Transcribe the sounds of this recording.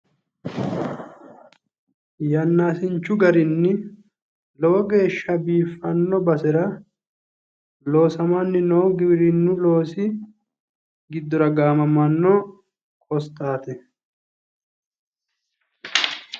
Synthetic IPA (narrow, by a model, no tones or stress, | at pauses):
jɐnːaːsɪɲt͡ʃːʊɡɐɾɪnːɪ | lɔwɔɡe̞ːʃːɐbiːfːɐnːɔbɐsɪɾɐ | lo̞ːsɐmɐnːɪnoːɡɪbɪɾɪnːʊlo̞ːsɪ | ɡɪd̪ːɔɾɐɡaːmɐmɐnːɔ | kʰɔst̪ʼaːt̪ɛ